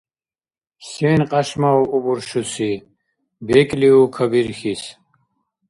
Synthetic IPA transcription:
senqɐɕmawubuɾɕusi | bekliukʰɐbiɾxis

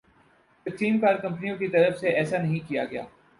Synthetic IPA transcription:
pɐtiːmkɐɾkɐ̃mpnijõkit̪ɐɾəfseʔɛːsanɐɦĩkija̰ɡɐja̰ː

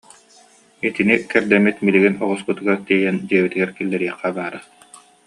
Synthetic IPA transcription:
it̪inikɛɾd̪ɛmit̪miliɡinɔʁɔskɯt̪ɯɡaɾt̪iɛjɛnd͡ʑiɛbit̪iɡɛɾkilːɛɾiɛχːabaːɾa

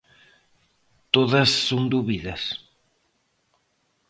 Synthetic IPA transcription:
t̪oðɐsːoŋd̪uβiðɐs

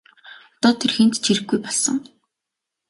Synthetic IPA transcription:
ɔt̪ɔːt̪ʰerxĕnt̪t͡ɕʰiɾɘ̆ɡɡujpɔɮsə̰̆ŋ

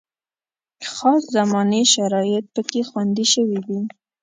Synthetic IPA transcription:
xɑszamɑneʃaɾɑjɪt̪̚pəkexwand̪iʃəwidi

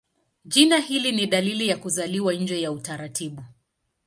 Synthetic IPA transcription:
ʄinahiliniɗalilijakuzaliwanɲ̩d͡ʒɛjautaɾatʰiɓu

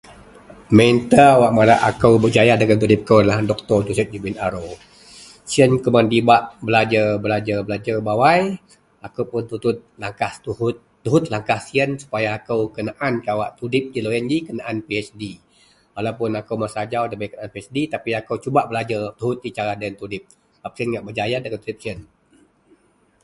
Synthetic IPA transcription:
mɛnt̪əwaʔmaɾaʔakəwbəd͡ʒajadaɡant̪̬udɪp̚kəwdalahdɔk̚t̪ɔrd͡ʒusɛt̪̚d͡ʒubinaɾo | siənkəmandibaʔbəlad͡ʒəbəlad͡ʒərbəlad͡ʒəbawaj | akəwpʊnt̪ut̪ʊt̪̚laŋkaht̪uhʊt̪ːuɦʊt̪̚laŋkahsiənsu̥pajaːkəwkənaʔankawaʔt̪udɪp̚d͡ʒiloɛnd͡ʒikənaʔanpiɛsdi | walawpʊnakəwmasad͡ʒawdabajkənaanpiɛsdit̪apiakəwt͡ʃubaʔbəlad͡ʒərt̪uɦʊt̪̚dit͡ʃaɾadaənt̪udɪp̚ | bap̚siənŋaʔbəd͡ʒajadakət̪udip̚siən

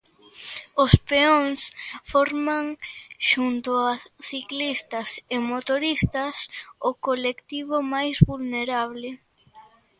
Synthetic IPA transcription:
ʊspeoŋsfɔɾmaŋʃunt̪ʊaθiklist̪ɐsemot̪oɾist̪ɐsʊkolekt̪iβomajzβulneɾaβlɪ

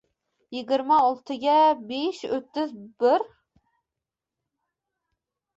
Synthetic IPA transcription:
jiɡʲiɾmɑolˠt̪ʰɨɡʲɛbeʃøt̪ːɪzbɪɾ

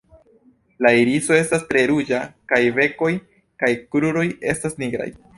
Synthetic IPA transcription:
laiɾiso̞e̞stastɾe̞ɾud͡ʒakajve̞ko̞j | kajkɾuɾo̞je̞stasniɡɾa̰j

